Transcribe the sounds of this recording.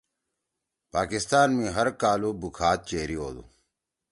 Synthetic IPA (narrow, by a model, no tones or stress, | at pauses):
paːkist̪aːnmĩːɦɐɾkaːluːbukʰaːt̪̚t͡ɕeːɾioːd̪ṵ